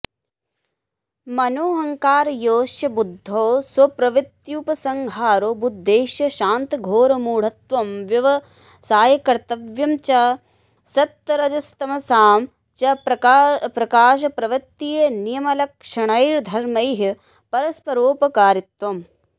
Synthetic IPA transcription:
mɐnoːɦɐŋkaːɾjoːʃjɐbud̪ʱːoːswɐpɾɐʋɐt̪juːpɐsɐŋɡʱaːɾoːbud̪ʱːeːʃjɐʃaːnt̪ɐɡʱoːɾɐmuːɽ̤ɐt̪ʋɐmʋjɐʋɐ | saːjɐkɐɾt̪ɐʋjɐmt͡ʃɐ | sɐt̪ːɐɾɐd͡ʒɐst̪ɐmɐsaːm | t͡ʃɐpɾɐpɾɐkaːʃ̬ɐpɾɐʋɐtt̪ːiːjɐnijɐmɐlɐkʂɐɳɐjɾd̪ʱɐɾmɐjɦɐ | pɐɾɐspɐɾoːpɐkaːɾit̪ʋɐm

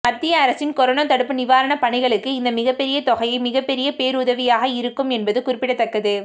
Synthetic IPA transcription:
mɐɾt̪ːɪjɐːɾɐsɪnkɔɾoːnaːt̪ɐɽɯpːɯnɪʋaːɾɐɳɐpɐɳɐɪɣɐɭɯkːɯɪnd̪ɐmɪɣɐpːɛɾɪjɐt̪ɔɣɐjɐɪmɪɣɐpːɛɾɪjɐpeːɾuðɐʋɪjaːɣɐɪɾɯkːɯmɛnbɐðɯkʊɾɪpːɪɽɐt̪ːɐkːɐðɯ

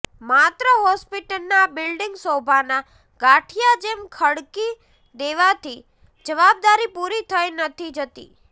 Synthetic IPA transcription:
mat̪ɾəɦɔspiʈəlnabɪlɖɪŋɡsobʱana | ɡaʈʰijad͡ʒemkʰəɽki | d̪eʋat̪ʰi | d͡ʒəʋab̚d̪aɾipuɾit̪ʰəjnət̪ʰid͡ʒət̪ḭ

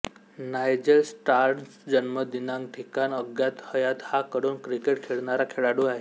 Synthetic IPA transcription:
najd͡ʑəlsʈaɾsd͡ʑənməd̪inãŋɡʈʰikanəɡjat̪həjat̪hakəɽuːnkɾikeʈkʰeɭɳaɾakʰeɭaɽuaɦe

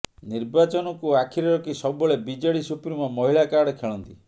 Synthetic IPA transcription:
niɾbat͡ʃɔnɔkuakʰiɾɔɾɔkisɔbɔɭebid͡ʒɔɭisupɾimɔmɔɦiɭakaɾɽkʰeɭɔnt̪i

